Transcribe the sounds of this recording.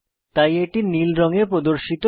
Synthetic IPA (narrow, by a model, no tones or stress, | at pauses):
t̪ajeʈinilɾɔŋepɾod̪oɾʃit̪o